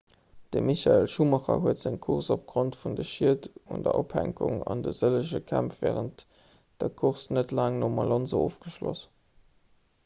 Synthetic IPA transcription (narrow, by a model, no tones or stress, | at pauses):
d̥əmiɕɑelʃumɑχɐ̰ɦuətz̥əŋkʰuʁsop̚ɡ̥ʁontfundəʃiətṵndə̰ʔophæ̰ŋkʊŋɑndəz̥ələʃəkʰæmfv̥ɛːʁənt | d̥əkʰuʁsnətlaːŋnomɑlɑnzəoːfɡ̥əʃlo̰s